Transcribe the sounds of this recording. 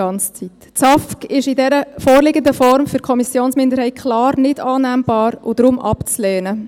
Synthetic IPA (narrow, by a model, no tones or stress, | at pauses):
ɑnt͡st͡sit | t͡sɑfkɪʃɪdɛɾəfoːɾlɪɡəndəfɔɾmfʏɾkʰɔmisjoːnsmɪndəɾhɛɪkʰlɑːɾnɪd̥ɑːnæmb̥ɑːɾʊ̰d̥̪ɾʊmʔɑ̰pt͡slɛːnə